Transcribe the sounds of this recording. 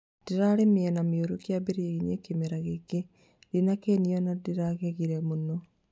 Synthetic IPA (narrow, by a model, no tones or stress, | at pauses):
d̥iɾaɾemeɛnamioɾokiabeɾieɣinekemeɾaɣeke | dinakeniɔnadiɾaɣeɣiɾɛmonɔ